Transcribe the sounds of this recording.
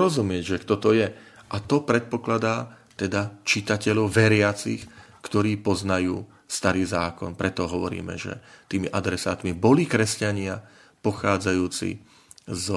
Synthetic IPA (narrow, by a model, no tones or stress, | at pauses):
ɾɔzumɪɛɟʒɛkt̪ɔt̪ɔjɛʔat̪ɔpɾɛt̪̚pɔklad̪aː | t̪ɛd̪at͡ʃit̪acɛʎɔʊʋɛɾɪat͡six | kt̪ɔɾiːpɔznajuː | st̪aɾiːzaːkɔ̰npɾɛt̪ɔɦɔʋɔɾḭːmɛ̰ʒɛ̰t̪iːmiʔad̪ɾɛsaːt̪mibɔlikɾɛscaɲɪa | pɔxaːd͡zajuːt͡sḭ | z